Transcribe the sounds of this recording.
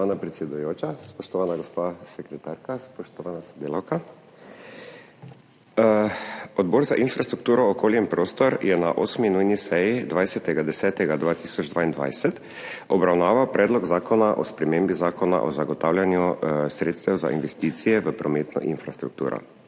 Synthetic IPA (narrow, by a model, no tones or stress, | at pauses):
aːnapɾɛt̪sʲjɛd̪ujoːt͡ʃaspɔʃt̪ɔʋaːnaɡɔspasɛkɾɛt̪aːɾkaspɔʃt̪ɔʋaːnasɔd̪eːlawka | ɔd̪bɔːɾzaʔinfɾast̪ɾuk̚t̪uːɾɔːkoːljɛmpɾoːst̪ɔɾjɛnaʔoːsminujnisɛjid̪ʋajsɛt̪ɛɡad̪ɛsɛːt̪ɛɡad̪ʋaːt̪iːsɔd͡ʒd̪ʋaːind̪ʋa̰jsɛt̪ | ɔbɾawnaːʋawpɾʔɛːd̪lɔɡzaːkʰɔnaʔɔspɾɛmembizaːkɔna̰ʔɔzaɡɔt̪aːwlʲjanjusɾeːt̪st̪ɛwza̰ʔinʋɛst̪iːt̪sijɛʋəpɾɔmeːt̪nɔ̰ʔinfɾast̪ɾṵk̚t̪ṵːɾɔ̰